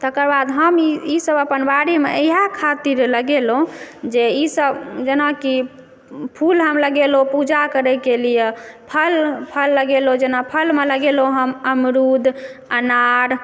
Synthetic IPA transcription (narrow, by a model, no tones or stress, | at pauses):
t̪əkəɾbad̪ɦəmiisəbəpənbaɽimeəiɦakʰat̪iɾləɡelɦõd͡ʒeisəbd͡ʒenaki | pʰulɦəmləɡelopud͡ʒakəɾɛkelijepʰəlpʰəlːəɡelod͡ʒenapʰəlmeləɡelõɦəməmɾud̪ʱənaɾ